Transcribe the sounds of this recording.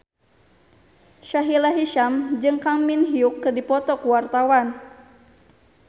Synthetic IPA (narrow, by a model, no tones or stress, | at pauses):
ʃaɦilaɦiʃamd͡ʒɨŋkaŋminɦiukːərdipɔt̪ɔkuwart̪awan